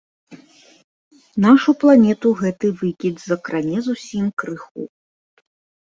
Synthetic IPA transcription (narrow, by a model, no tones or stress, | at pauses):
naʂuplˠanʲɛt̪uɣɛt̪ɨvɨkʲid̪zɐkɾanʲɛzusʲimkɾɨxṵ